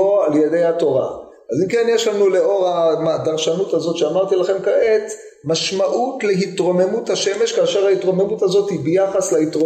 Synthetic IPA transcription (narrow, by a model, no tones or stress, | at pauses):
oaljedejhato̞ʁa̰ | azimkenjeʃlanuleo̞ʁamadaʁʃanuthazo̞tʃeamaʁt̪ilaχe̞mkaet | maʃmaʔutleɦitʁo̞me̞muthaʃe̞me̞ʃkaːʃeʁaitʁo̞me̞mutazo̞thibejaχaslaitʁo